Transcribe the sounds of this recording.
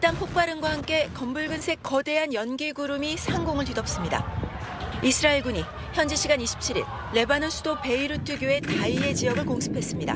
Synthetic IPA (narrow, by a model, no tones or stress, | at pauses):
it͈anpʰok̚p͈aɾɯŋɡwahamk͈e̞kʌmbuɭɡɯnsʰe̞k͈ːʌde̞ɦanjʌnɡiɡuɾumisʰaŋɡoŋɯɭtidʌp̚s͈ɯmɲida̰ | isʰɯɾaiɭɡuɲi | çjʌnd͡ʑeɕʰiɡaniɕʰi̥p̚t͡ɕʰiɾḭɭːe̞banɯnsʰudope̞iɾutʰɯɡjoe̞taie̞t͡ɕijʌɡɯɭkoŋsʰɯ̥pʰe̞s͈ɯmɲida̰